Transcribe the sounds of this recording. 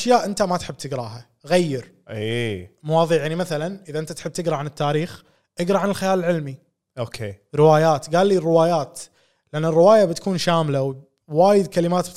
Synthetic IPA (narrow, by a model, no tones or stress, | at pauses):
aʃjaːʔɪnt̪amat̪ħɪb̚ːt̪ɪɡɾˤɑːɦa | ɣajːɪɾ | ʔiːmʊwɑːðˤiːʕjaʕnimaθalanʔɪðaʔɪnt̪at̪ħɪb̚t̪ɪɡɾˤɑʕanɪt̪ːaːɾiːx | ʔɪɡɾˤɑʕanɪlxajaːlɪlʕɪlmi | ʔoːkʰḛːɾɪwaːjaːt̪ɡaːlːiːrːɪwaːjaːt̪ | lɪʔanːɪrːɪwaːjabɪt̪ḁkuːnʃaːmlaw | waːjɪd̪kalɪmaːt̪b̪